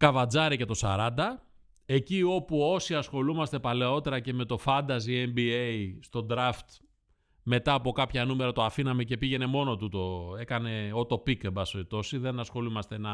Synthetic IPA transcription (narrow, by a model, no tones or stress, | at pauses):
kɐvɐd͡zɐɾice̞t̪o̞sɐ̰ɾɐnd̪ɐ | e̞cio̞puo̞siɐsxo̞lumɐst̪e̞pɐle̞o̞t̪e̞ɾɐce̞me̞t̪o̞fɐnd̪ɐziembieist̪o̞d̪ɾɐft̪ | me̞t̪ɐːpo̞kɐpçɐnumeɾɐt̪oɐfinɐme̞ce̞piʝe̞ne̞mo̞no̞t̪ut̪o̞e̞kɐne̞o̞t̪o̞pikebɐsoit̪o̞siðe̞nɐsxo̞lumɐst̪e̞nɐ